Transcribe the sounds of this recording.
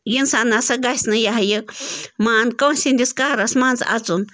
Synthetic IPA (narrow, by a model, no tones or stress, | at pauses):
jɨnsanãsaɡaisnãjaɦajɨmãankawnsind̪ʲiskaɾasmãnd͡zaʔa̰t͡sun